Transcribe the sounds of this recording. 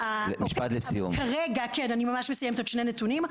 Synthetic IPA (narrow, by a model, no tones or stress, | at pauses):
almiʃpat̪let͡sijṵmkaʁeɡakenanimamaʃmesajemet̪otʃnenet̪unim